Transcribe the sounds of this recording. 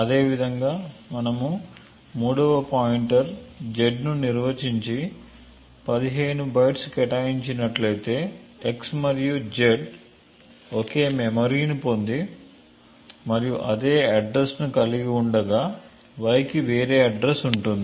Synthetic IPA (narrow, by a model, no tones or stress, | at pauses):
ɐd̪e̞ːʋid̪ʱɐŋɡaːmɐnɐmu | muːɽɐʋɐpaːjiɳʈɐɾd͡ʒe̞ɖnuniɾʋɐt͡ʃiɲt͡ʃi | pɐd̪iɦeːnubɐjʈskɛʈaːjiɲt͡ʃinɐʈlɐjt̪e̞ːeksmɐɾijud͡ʒeɖ | oke̞ːmemɐɾiːnpo̞nd̪i | mɐɾijuʔɐd̪e̞ːɐɖɾe̞snukɐliɡiuɳɖɐɡaː | ʋɐjkiʋeːɾe̞ːɐɖɾesuɳʈund̪i